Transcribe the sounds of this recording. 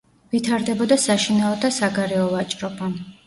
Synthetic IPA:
vit̪ʰaɾd̪ɛbɔd̪asaʃinaɔd̪asaɡaɾɛɔvat͡ʃʼɾɔba

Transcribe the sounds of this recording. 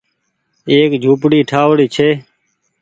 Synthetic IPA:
eːkd͡ʒʱuːpɽiːʈʰaːʋɽiːt͡ʃʰeː

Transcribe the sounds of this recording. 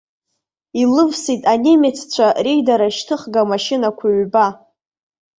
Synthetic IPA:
ilɨvsitʼanemet͡sʰt͡ɕʷʰarejdaɾaʃtʰɨχɡamaʃɪnakʷʰaɥba

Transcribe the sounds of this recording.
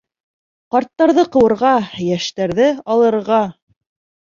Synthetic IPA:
qɑɾt̪ːɑɾðɤqɤ̆wɤ̆ɾʁɑjæʃt̪æɾðɘɑlˠɤ̆ɾʁɑ

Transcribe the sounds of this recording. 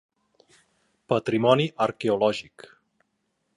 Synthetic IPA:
pət̪ɾimɔniʔəɾkeolɔʒik

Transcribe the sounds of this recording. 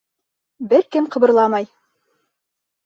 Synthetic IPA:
bɘɾkɘmqɤ̆βɤ̆ɾlˠɑmɑj

